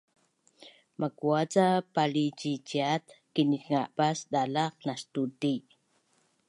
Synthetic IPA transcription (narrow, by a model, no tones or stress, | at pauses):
mʔakuat͡sapalit͡ʃit͡ʃiat̪kinikŋaʔpasdalaχnastuti